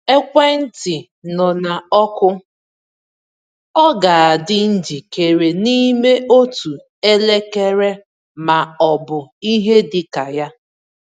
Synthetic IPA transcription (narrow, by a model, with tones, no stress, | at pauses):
e˦kʷe˦n̩˦tɪ˨ | nɔ˨na˨ɔ˦kʊ˦ | ɔ˦ɡa˨a˨dɪ˦n̩˦d͡ʒi˨ke˨ɾe˨ni˦me˦ʔo˦tu˨ | e˦le˦ke˦ɾe˦ | ma˨ɔ˨bʊ˨i˦ɦe˦dɪ˨ka˨ja˦